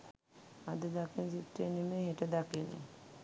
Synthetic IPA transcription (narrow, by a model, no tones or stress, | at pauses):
ad̪əd̪akinsitːenimeɦeʈəd̪akinːḭ